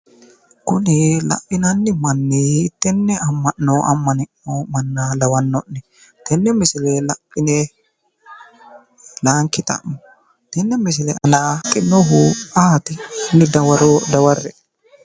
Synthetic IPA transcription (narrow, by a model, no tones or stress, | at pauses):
kʊnɪlɐ̰pːɪnɐnːɪmɐnːeɪt̪ːɛnːɛɐmːɐnːoːʔɐ̰mːɐnɪʔoːmɐnːalɐwɐnːɔnːɛ | t̪ɛnːɛmɪsɪlɛlɐpːɪnɛ | laːŋkːɪt̪ʼɐ̰mʊ | t̪ɛnːɛmɪsɪlɛʔɐnaːkʼɪnːoɦʊaːt̪ɪnːɪd̪ɐwɐɾod̪ɐwɐrːɛ